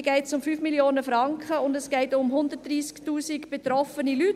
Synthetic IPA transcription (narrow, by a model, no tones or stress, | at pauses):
ɡ̥ɛɪtsʊmfyːfmiljoːnəfɾɑŋkχəʊndɛsɡ̥ɛɪtʊmɦʊnd̪ətdɾiːsktuːsikb̥et̪ɾɔfənilyt